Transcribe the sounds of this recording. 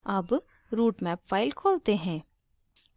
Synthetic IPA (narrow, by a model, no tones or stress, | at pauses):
ɐb | ɾuːʈmɛːpfaːɪlkʰoːlt̪eɦɛ̃ː